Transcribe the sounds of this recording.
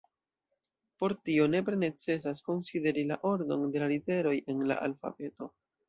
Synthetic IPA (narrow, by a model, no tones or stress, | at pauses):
po̞ɾtio̞ne̞pɾene̞t͡se̞s̬asko̞nside̞ɾila̰ʔo̞ɾdo̞̰nde̞lalite̞ɾo̞jʔe̞nla̰ʔa̰lfa̰be̞to̞